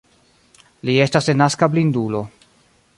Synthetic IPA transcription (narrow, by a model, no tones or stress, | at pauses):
lie̞stasenːaskablindulo̞